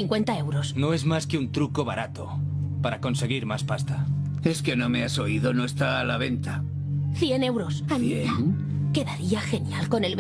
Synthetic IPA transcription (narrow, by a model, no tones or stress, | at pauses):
iŋkwe̞nt̪ae̞wɾo̞sno̞e̞zmaskeunt̪ɾuko̞βaɾʔat̪o̞paɾako̞nse̞ɣ̞iɾmaspast̪a | e̞ske̞no̞me̞aso̞iðo̞no̞est̪aːlaβe̞nt̪a | θje̞ne̞wɾosae | ke̞ðaɾiaxe̞njalko̞ne̞lβ